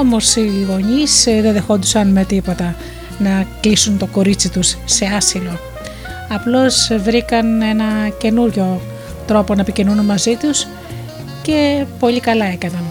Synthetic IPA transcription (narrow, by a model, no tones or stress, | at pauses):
omo̞ɾsiɣo̞ɲisðenðe̞xo̞nd̪usɐnme̞t̪ipo̞t̪ɐ | nɐklisunt̪o̞ko̞ɾit͡sit̪usːe̞ɐsilo̞ | ɐplo̞svɾikɐne̞nɐce̞nuɾʝo̞ | t̪ɾo̞po̞nɐepicinununmɐzit̪us | ce̞po̞ʎikɐlɐe̞kɐnɐn